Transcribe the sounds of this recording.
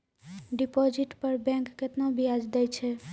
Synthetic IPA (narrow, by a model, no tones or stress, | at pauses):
ɖipɔd͡ʒiʈpəɾbɛ̃ŋkːet̪nabʱiad͡ʒd̪ɛjt͡ʃʰɛ